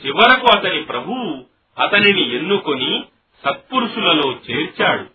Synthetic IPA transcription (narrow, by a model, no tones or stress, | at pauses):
t͡ʃiʋɐɾɐkuɐt̪ɐnipɾɐbʱu | ɐt̪ɐninienːukoni | sɐt̪̚puɾuʂulɐlo̞ːt͡ʃe̞ːɾt͡ʃaːɽu